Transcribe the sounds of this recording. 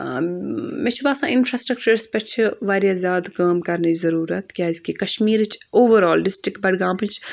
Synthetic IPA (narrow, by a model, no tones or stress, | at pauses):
mẽt͡ʃʰubaːsãːɪnfʰɾaːsʈɾɐk̚t͡ʃɐɾspɐt͡ʃʰiʋaːɾjaːzʲaːd̪kaːmkɐɾneizɐɾuːɾɐt̪kʲjaːzkikɐʃmiːɾɨt͡ʃʰoːʋəɾaːlɖɪsʈɾikʈ̚bɐɽɡãːpɨnt͡ʃʰ